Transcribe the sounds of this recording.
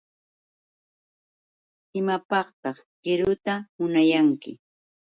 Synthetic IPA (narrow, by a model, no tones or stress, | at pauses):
ɪmapɑqt̪ɑχ | ɢ̥ɪɾʊt̪amʊnajaŋkɪ̰